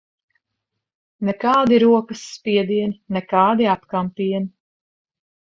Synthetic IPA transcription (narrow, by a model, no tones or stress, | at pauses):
nɛkaːd̪iɾuɔkɐsːpʲiɛd̪iɛninɛkɑːd̪iap̪kampiɛni